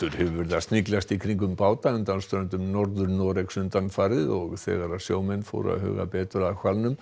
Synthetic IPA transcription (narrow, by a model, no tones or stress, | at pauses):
ʏɾ̥hɛvʏvɪɾðast̪niklast̪ikʰɾiŋk̬ʏmpaːwt̪aʏnt̪anst̪œɾʏnt̪ʏmnɔɾðʏɾnɔːɾeksʏnt̪anfaɾðɪðɔɣθɛ̰ːɣaɾaðsjo̰ːwmɛnːfo̰ːwɾa̰ðhʏ̰ːɣa̰pɛːt̪ʏɾaðkʰvalnʏm